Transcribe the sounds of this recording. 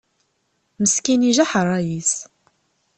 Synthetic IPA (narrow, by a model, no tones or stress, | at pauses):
məskiniʒaħərˤːɑjis